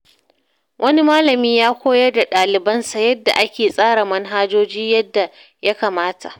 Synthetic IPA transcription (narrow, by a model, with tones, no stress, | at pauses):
wʔɐ˦ni˦maː˦lɐ˨miː˦jaː˦kʷoː˦jɐ˦rda˨ɗaː˨lɪ˨bɐ˦nsa˨jɐ˦dːa˨ʔa˦kʲeː˨sʼaː˦ɽa˨mɐ˦nɦaː˦d͡ʒoː˦d͡ʒiː˦jɐ˦dːa˨ | ja˦kaː˨maː˦ta̰˨ʔ